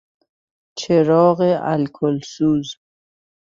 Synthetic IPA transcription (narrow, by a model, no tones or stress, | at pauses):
t͡ʃʰeɾɔːɣeʔa̰lkʰolsuːz